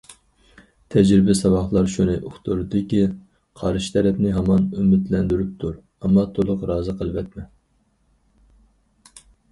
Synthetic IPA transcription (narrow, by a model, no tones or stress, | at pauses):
t̪ʰɛd͡ʒɾɪbɪsɑwɑχlˠɑɾʃunɨʔʊχt̪uɾɨd̪ɪkʲi | qʰɑɾʃi̥t̪ʰɛɾɛpnɪɦɑmɑnymɪt̪lɛnd̪yɾyp̚t̪ʰuɾ | ɛmːɑt̪ʰolˠʊqɾɑːzɨqʰəlˠɨvɛt̪mɛ